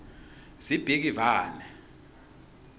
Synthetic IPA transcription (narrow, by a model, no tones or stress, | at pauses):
z̥ib̥ʱik̬ivaːnɛ